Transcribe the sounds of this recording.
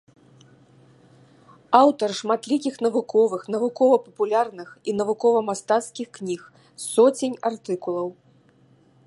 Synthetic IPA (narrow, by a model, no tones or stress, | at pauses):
awt̪ɐrʂmat̪lʲikʲixn̪ɐvukʰɔvɨxnɐvukɔvɐpɐpulʲarnɨxin̪ɐvukɔvɐmast̪at̪skʲixknʲix | sɔt͡sʲenʲart̪ɨkulˠɐw